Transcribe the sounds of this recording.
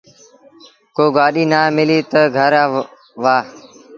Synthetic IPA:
koːɡaːɗiːnaːmɪliːt̪əɡʱəɾaː | ʋaː

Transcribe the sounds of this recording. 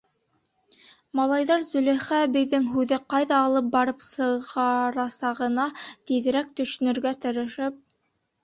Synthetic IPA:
mɑlˠɑjðɑɾzɵ̆læχæbɘ̆jðɘŋɦʉðɘqɑjðɑːlˠɤp̚bɑɾɤpsɤ̆ʁɑɾɑsɑʁɤ̆nɑt̪iðɘ̆ɾæk̚t̪ɵ̆ʃ̆nɵ̆ɾɡæt̪ɤ̆ɾɤ̆ʃɘp̚

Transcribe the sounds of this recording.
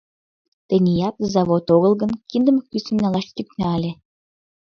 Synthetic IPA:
t̪ə̆nʲijɑt̪zɑβot̪oɣəlɣə̆nkind̪əməkysʲemʲnɑlɑʃt̪ʲyknɑlʲe

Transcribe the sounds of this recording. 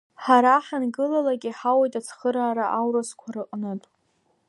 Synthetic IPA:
ħaɾaħanɡɨlalaɡʲiħawajtʼat͡sʰχəɾaːɾaʔawɾaskʷʰaɾɨqʼnɨtʼ

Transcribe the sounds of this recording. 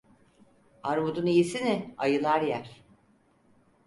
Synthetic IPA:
aɾmud̪unijisinɪajɯlˠaɾjæɾ̥

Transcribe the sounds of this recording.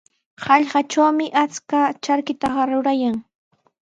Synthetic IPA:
hɑʎɢɑt͡ʃawmɪʔat͡skat͡ʃaɾkɪt̪ɑɢɑɾʊɾajaŋ

